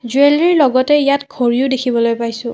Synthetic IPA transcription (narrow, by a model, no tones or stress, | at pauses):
zueliɹlɔɡɔtɛijatkʰoɹiodekʰibɔlojpajsʊ̃